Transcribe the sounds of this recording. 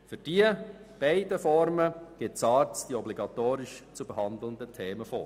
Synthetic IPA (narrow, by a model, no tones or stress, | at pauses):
fyɾd̥iə | b̥ɛɪdəfɔɾməɡ̥ɪtt͡sɑːɾt͡sd̥iɔbliɡɑt̪oːɾɪʃt͡subəhɑnd̪l̩əndətʰeːməfɔ